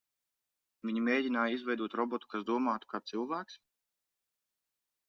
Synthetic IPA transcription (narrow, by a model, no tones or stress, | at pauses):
vʲiɲimʲeːɟʲinaːjizvɛjd̪uɔt̪ɾɔbɔt̪u̥kasd̪uɔmaːt̪u̥kaːt̪silˠvæːks